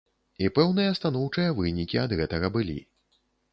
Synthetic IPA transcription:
ipɛwnɨjɐst̪anɔwt͡ʂɨjɐvɨnʲikʲiɐd̪ɣɛt̪ɐɣɐbɨlʲḭ

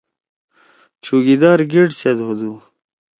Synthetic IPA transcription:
t͡ɕʰuɡid̪aːɾɡiʈsed̪ɦud̪u

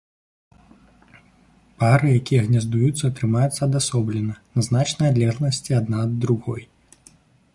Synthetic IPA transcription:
paɾɨjakʲijɐɣnʲazd̪ujut̪sːɐːt̪ɾɨmajut̪sːɐːd̪asɔblʲɛnɐnɐznat͡ʂnɐjad̪lʲɛznɐsʲt͡sʲiad̪nad̪ːɾuɣɔj

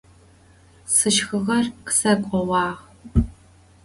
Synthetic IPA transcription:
sɨʃxɨʁɐrqsɐkʷʼɔwɑːʁ

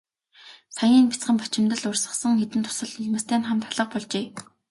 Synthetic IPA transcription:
sajiːnpʲi̥t͡sχə̆mpat͡ɕɪ̆mt̪ə̆ɮʊrsə̆χsə̆ŋxet̪ɘ̆nt̪ʰʊ̥sə̆ɮɵɮmə̆st̪ʰæːnχamt̪ʰaɮə̆q̚pɔɮt͡ɕeː

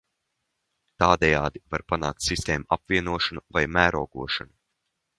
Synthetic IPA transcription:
t̪aːd̪ɛjaːd̪ivaɾpana̰ːkt̪ʲsist̪eːmuʔapvʲiɛnuɔʃanuvajmæːɾɔːɡuɔʃanu

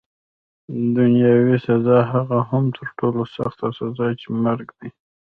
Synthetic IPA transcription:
d̪ʊnjɑwisazɑɦaɣaɦamt̪ʰəɾʈolosa̰xt̪asazɑjt͡ʃemaɾɡd̪i

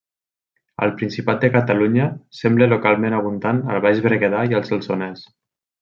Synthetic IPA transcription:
ə̰lpɾinsipat̪̚d̪ekat̪aluɲəsɛmblelokalˠmẽnaβ̞und̪anə̰lˠβaʒβɾeɣeðaiəlˠzelˠsonɛs

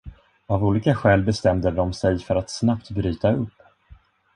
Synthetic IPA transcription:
avuːliːkaɧɛːlbɛst̪ɛmd̪əd̪ɔmsɛjfœɾat̪snapt̪bɾyːt̪aɵpː

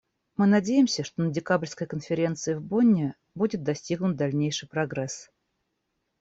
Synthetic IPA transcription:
mɨnɐdʲejɪmsʲəʂt̪onədʲɪkablʲskəjkənfʲɪɾʲe̞nt̪sɨɪvbonʲːɪ | budʲɪt̪̚d̪ɐsʲtʲiɡnʊt̪̚d̪ɐlʲnʲejʂɨjpɾɐɡɾɛs

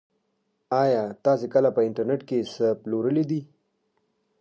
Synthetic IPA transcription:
ɑjɑt̪ɑsekəlapəɪɳʈəɾneʈkesəploɾəlid̪i

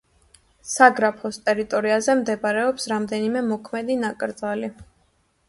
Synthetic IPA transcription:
saɡɾapʰɔst̪ʼɛɾit̪ʼɔɾiazɛmd̪ɛbaɾɛɔpsɾamd̪ɛnimɛmɔkʰmɛd̪inakʼɾd̪zali

